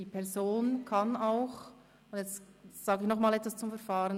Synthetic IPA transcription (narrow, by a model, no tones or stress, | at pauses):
ipʰɛɐzoːnkʰanaʊx | ʊnjɛt͡stz̥aːɡəɪçnɔχmaːlɛtv̥ast͡sʊmfɛɐfaːɾən